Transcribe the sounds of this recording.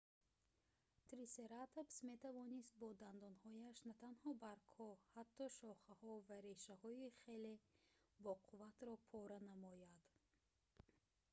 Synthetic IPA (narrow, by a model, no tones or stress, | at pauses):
t̪ɾiseɾat̪ʰopsme̞t̪ʰavɔnist̪̚bɔd̪and̪ɔnhɔjaʃnat̪ʰanhɔbaɾkʰɔhat̪ʰːɔʃɔχahɔvaɾe̞ʃahɔiχe̞lebɔqʰuvat̪ɾɔpʰɔɾanamɔjad̪̥